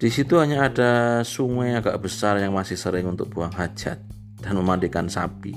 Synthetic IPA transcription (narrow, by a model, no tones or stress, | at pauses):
d̥isit̪uɦaɲaːdasuŋwɛaɡaʔb̥əsarjaŋmasɪhsəɾɪŋunt̪ʊk̚b̥uaŋɦḁd͡ʒ̥a̰t̪̚ | d̥anməmandikansa̰pḭ